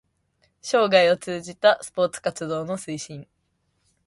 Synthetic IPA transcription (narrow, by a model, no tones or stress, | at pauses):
ɕo̞ːɡaio̞t͡sɨːʑit̪asɨ̥po̞ːt͡sɨ̥kat͡sɨd̪o̞ːno̞sɨiɕĩɴ